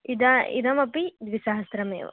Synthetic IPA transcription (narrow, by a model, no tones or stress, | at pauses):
id̪ɐḭd̪ɐmɐpid̪ʋisɐɦɐst̪ɾɐmḛːʋɐ̰